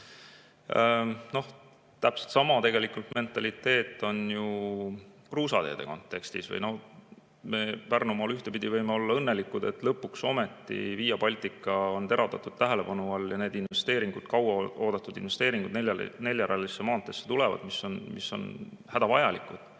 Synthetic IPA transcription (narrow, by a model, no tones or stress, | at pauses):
no̞h | t̪æpselt̪sɑmɑt̪e̞ɡe̞likult̪me̞nt̪ːˑɑlit̪ːe̞ːt̪ˑːo̞nju | kruːsɑt̪e̞ːd̪e̞̰ko̞nt̪ːˑe̞kst̪ḭsvɤ̰jno̞h | me̞pærnumɑlyht̪e̞pid̪ivɤjmeo̞lːɑɤnːe̞likˑːud̪e̞t̪lɤpːˑukso̞me̞t̪ːḭviːjɑpɑlʲt̪ˑikːˑɑont̪e̞ɾɑld̪̥ɑt̪ːˑud̪̥t̪æɦele̞pɑnuɑlːjɑne̞ːd̪invve̞st̪e̞ːɾiŋɡ̥ud̪̥̚kɑwɑo̞ːd̪̥ɑt̪ːˑud̪̥inve̞st̪e̞ːɾiŋɡ̥ud̪nene̞lʲjɑɾʔɑlisːemɑːt̪ːˑe̞sːet̪ulevɑ̰d̪̥miso̞nmisːo̞̰nhæd̪̥ɑvɑjɑlikːˑud̪̥